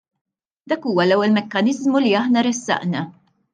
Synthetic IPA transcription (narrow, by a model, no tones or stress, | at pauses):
d̪ɐːkuːwɐlɛwːɛlmɛkːɐnɪzmuliɐħnɐɾɛsːɐ̰ʔnɐ